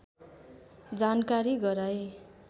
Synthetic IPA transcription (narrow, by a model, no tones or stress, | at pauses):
d͡zankaɾiɡʌɾaj